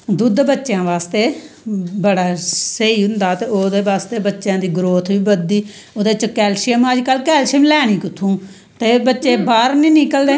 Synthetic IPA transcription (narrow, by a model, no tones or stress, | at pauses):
d̪ʊd̪bətːʃjãːʋaːst̪eːbəɽaːsəiːɦʊ̃nd̪aːt̪eːoːd̪eːʋaːst̪eːbətːʃjãːd̪iːɡɾoːt̪ʰʋiːbəd̪ːiː | oːd̪eːt͡ʃəkɛːlʃiəməd͡ʒkəlkɛːlʃiəmlɛːɽ̃ĩːkʊt̪ʰũː | t̪eːbətːʃeːbaːɾnĩːnɪkəld̪eː